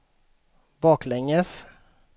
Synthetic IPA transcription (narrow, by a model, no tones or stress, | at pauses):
bɑːklɛŋəs